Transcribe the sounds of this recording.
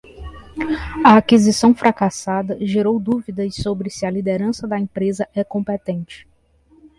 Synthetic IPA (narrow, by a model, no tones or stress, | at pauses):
ɐakizisɐ̃w̃fɾʔakasad̪ɐʒeɾowd̪uvid̪ɐssobɾɪsɪɐlid̪eɾɐ̃sɐd̪ɐẽpɾezɐʔɛkõpet̪ẽnt͡ʃɪ̥